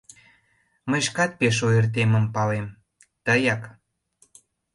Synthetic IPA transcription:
məjʃkɑt̪̚peʃ̬ojərt̪̬emə̆mpɑlem | t̪əjɑk

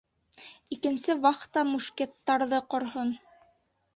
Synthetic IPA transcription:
ikɘ̆nsɘwɑqt̪ːɑmuʃket̪ːɑɾðɤqŏɾhon

